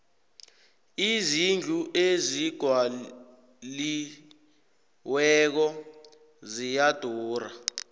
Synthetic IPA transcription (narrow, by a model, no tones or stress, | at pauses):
izind͡ɮʱuʔeziɡ̥ʱwa | li | wɛk̬ɔ | zijad̥ʱɔːra